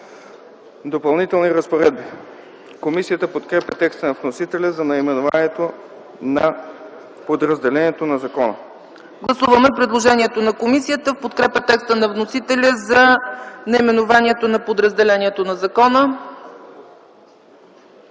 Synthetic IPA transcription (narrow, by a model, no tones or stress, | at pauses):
d̪opɐlˠnit̪ɛlˠniɾəspoɾɛd̪̚bi | komisijət̪əpot̪kɾɛpjət̪ɛkst̪ənɐvnosit̪ɛlʲəzɐnɐimɛnova̰niɛt̪o | nɐ | pod̪ɾəzd̪ɛlɛniɛt̪onɐzɐkɔnə̰ | ɡlˠɐsuvəmɛpɾɛd̪lˠoʒɛniɛt̪onɐkomisijət̪əfpot̪kɾɛpʲət̪ɛkst̪ənɐvnosit̪ɛlʲəzɐnɐimɛnovaniɛt̪onɐpod̪ɾəzd̪ɛlɛnʲiɛt̪onɐzɐkɔnə